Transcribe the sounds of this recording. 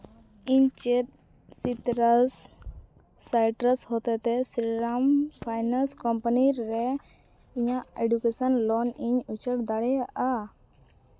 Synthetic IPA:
iɲt͡ʃet̪̚ | sit̪ɾəsː | ajʈɾəshot̪ɛt̪ɛsɾiɾampʰajnaskɔmpaniɾːɛ | iɲaʔeɖukesənlɔniɲut͡ʃəɽd̪aɽɛaʔa

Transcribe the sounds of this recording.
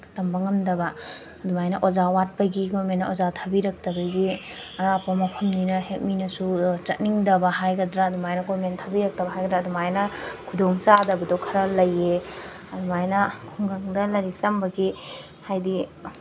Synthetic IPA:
tɐmbaŋɐmdɐbɐː | dumajnɐʔozawat̚pɐɡiɡomenːɐozatʰɐbiɾɐk̚tɐbɐɡiɐɾapamɐpʰɐmninɐhek̚minɐsut͡ʃɐt̚niŋdɐbɐɦajɡɐdɾaːdumajnɐɡomentʰɐbiɾɐk̚tɐbɐɦajɡɐdɾaɐdumajnɐkʰudoŋsadɐbɐdɔwkʰɐɾɐlɐje | ɐdumajnɐkʰuŋɡaŋdɐlɐɾitɐmbɐɡi | hajdi

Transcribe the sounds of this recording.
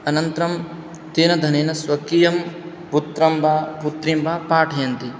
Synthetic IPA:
ɐnɐnt̪ɐɾɐm | t̪eːnɐd̪ʱɐneːnɐsʋɐkijɐm | put̪ɾɐmbʱaːput̪ɾimbʱaːpaːʈʰɐjɐnt̪i

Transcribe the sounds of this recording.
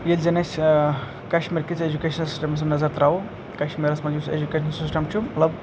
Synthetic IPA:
jeld͡ʒenes | kɐʃmiɾkit͡sed͡ʒukeʃʰɐnsi̥sʈemɐs̬ɐmnɐzɐɾt̪ɾau | kɐʃmiɾɐsmɐd͡ʒusḛd͡ʒukeʃʰɐnsisʈemt͡ʃʰumɐt̪lɐb

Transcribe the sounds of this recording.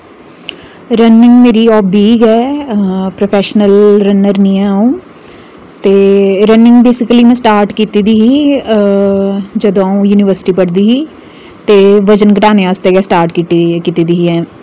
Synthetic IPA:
ɾənːɪ̃ŋɡmeːɾiɔːpbiːɡɛː | pɾopʰɛːʃnəlɾənəɾniːɛ̃ũː | t̪eːɾənɪ̃ŋɡbeːsɪkəliːmɛ̃ːsʈaːɾʈkiːt̪iːd̪iːɦiː | d͡ʒəd̪õaũjuːnɪʋəɾsɪ̥ʈiːpəɽd̪iːɦiː | t̪eːʋəd͡ʒənkəʈaːneaːst̪eːɡɛːsʈaːɾʈkit̪ikiːt̪iːd̪iɦiːɛ̃ː

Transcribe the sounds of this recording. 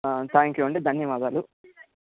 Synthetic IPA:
t̪ʰaːŋkjuɐɳɖid̪ʱɐnjɐʋaːd̪aːlu

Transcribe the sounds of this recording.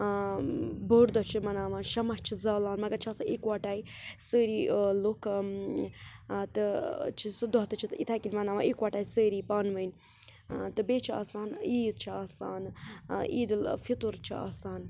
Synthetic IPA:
boːɾd̪ot͡ʃʰimɐnaːʋaːnʃɐmɐt͡ʃʰizaːlaːnmɐɡɐɾt͡ʃʰaːsaʔekʋaːʈaːj | səːɾiːlokʰ | t̪ɨt͡ʃʰisɨd̪uɦɐt̪ɐt͡ʃʰiit̪ʰaːkilʲmɐnaːʋaːnekʋaʈaːisəːɾiːpaːnʋɐn | t̪ɨbeːt͡ʃʰia̰ːsaːniːd̪̚t͡ʃʰiaːsaːniːd̪ɨlfit̪uɾt͡ʃʰia̰ːsaːn

